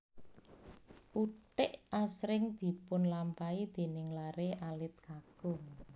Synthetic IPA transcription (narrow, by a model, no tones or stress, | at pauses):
ʔuʈɪʔasɾɪŋd̪̥i̤pʊnlampaid̪̥e̤nɪŋlaɾeʔalɪt̪̚kaɡ̥ʊŋ